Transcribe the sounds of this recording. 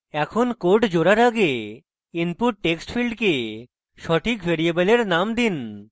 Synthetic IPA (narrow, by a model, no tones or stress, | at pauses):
ɛkʰonkoʈd͡ʑoɾaɾaɡe | inpuʈːeksʈfʰilɖke | ʃɔʈʰikbʱeɾiebeleɾnamd̪in